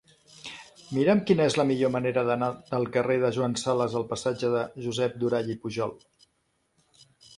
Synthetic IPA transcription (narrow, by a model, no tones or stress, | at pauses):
miɾəmkinəezləmiʎoməneɾəðənad̪əlˠkəreð̞əʒwansaləzəlˠpəsad͡ʒəðəʒuzɛp̚d̪uɾaʎipuʒɔlˠ